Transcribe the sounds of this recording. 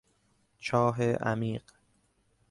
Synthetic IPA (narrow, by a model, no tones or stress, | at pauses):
t͡ʃʰɒːɦeʔæ̰miːɢ